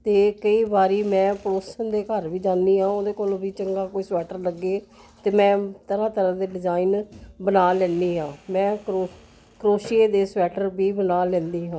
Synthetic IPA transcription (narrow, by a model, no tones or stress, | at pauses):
t̪eːkəiːbaːɾiːmɛ̃ːpɾoːsənd̪eːkəɾʋiːd͡ʒãːnd̪iːɦãːoːd̪eːkoːlbiːt͡ʃəŋɡaːkoːiːswɛːʈəɾləɡːeː | t̪eːmɛ̃ːt̪əɾãːt̪əɾãːd̪eːɖɪd͡ʒaːiːnbənaːlɛ̃ːnd̪iːɦãːmɛ̃ːko | kɾoːʃeːd̪eːswɛːʈəɾbʱiːbənaːlɛ̃ːnd̪iːɦãː